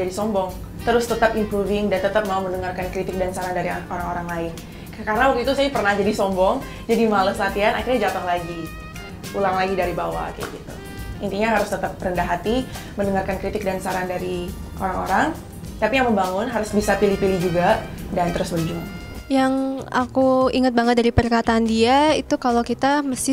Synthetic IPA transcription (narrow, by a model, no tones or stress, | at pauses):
d͡ʒadisɔmbɔŋ | t̪əɾʊst̪ət̪əpimpɾuvɪŋdant̪ət̪əp̚mauməndəŋarkankɾit̪ɪk̚dansaɾandaɾiʔoɾaŋoɾaŋlaɪn | kaɾənawak̚t̪uit̪usajpərnahd͡ʒadisɔmbɔŋ | d͡ʒadimaləsəlat̪iana̰kɪrɲad͡ʒat̪əŋlaɡi | ulaŋlaɡidaɾibawa̰ka̰ja̰ɡit̪ṵ | ḭnt̪iɲaɦaɾʊst̪ət̪əp̚ɾəndaɦat̪i | məndəŋarkankɾit̪ɪk̚dansaɾandaɾiʔo̰ɾaŋo̰ɾaŋ | t̪apijaŋməmbaŋʊnɦaɾʊsbisapilipilid͡ʒuɡadant̪əɾʊsbərd͡ʒaŋ | jaŋʔakuiŋət̪̚baŋət̪̚daɾipərkat̪andiait̪ukalokit̪aməst̪ɪ